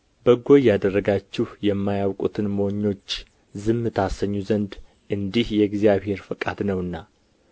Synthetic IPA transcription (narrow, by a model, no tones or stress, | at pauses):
bəɡo̞jad̪ərːəɡat͡ʃːɪhjɛmːajawkʼṵt̪ʰɨnmoɲːo̞t͡ʃː | zɨmɨt̪ʰasəɲːuzənd̪ | ʔɨnd̪ihjɛɡzijaβhe̞ɾfɨkʼad̪nəwɨnːa